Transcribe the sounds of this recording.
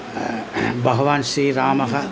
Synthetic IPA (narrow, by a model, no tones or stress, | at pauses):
bɐɦɐʋaːnʃɾiːɾaːmɐɦɐ